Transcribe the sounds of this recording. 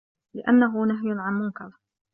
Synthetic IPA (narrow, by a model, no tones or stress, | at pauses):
lɪʔa̰nːaɦʊnaɦjʕanmʊnkɑɾˤ